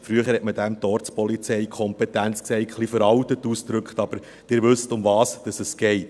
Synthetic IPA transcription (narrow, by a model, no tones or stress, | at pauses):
fɾyəχəɾhɛtmədæmtɔɾspɔlit͡sɛɪkʰɔmpɛtænt͡sksɛɪχlifəɾɑwtətːusd̥̪ɾɵkχtɑb̥əɾ | d̥ɪːɾʋʏstʊmvɑːsd̥ɑsəsɡ̥ɛɪt